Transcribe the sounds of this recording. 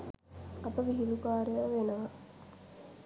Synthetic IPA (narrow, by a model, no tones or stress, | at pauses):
ɐp̪əʋiɦilukaːɾejəʋenəʋə